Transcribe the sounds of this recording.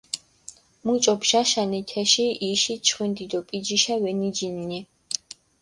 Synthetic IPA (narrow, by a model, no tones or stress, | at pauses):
mut͡ʃʼɔpʃaʃanit̪ʰɛʃiiʃit͡ʃʰχwind̪id̪ɔpʼid͡ʒiʃawɛnid͡ʒinːi